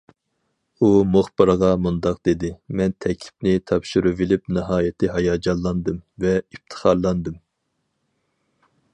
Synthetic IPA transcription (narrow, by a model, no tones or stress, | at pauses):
umoχbɨɾʁɑmund̪ɑqd̪ed̪ɪmɛnt̪ʰɛkʲʰlʰɪ̥p̚nɪt̪ʰɑpʃyɾyvilɪpnɨɦɑːjɪt̪ʰɪɦɑjɑd͡ʒɑlˠːɑnd̪ɨmvɛif̚t̪ʰə̥χɑɾlˠːɑnd̪ɨm